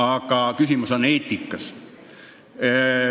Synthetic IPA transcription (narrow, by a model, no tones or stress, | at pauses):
ɑkːɑkysimosoneːt̪ːikːɑs